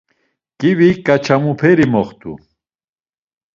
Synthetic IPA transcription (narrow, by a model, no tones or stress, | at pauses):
kiβikʼat͡ʃʰamupʰɛɾimɔχt̪ʼṵ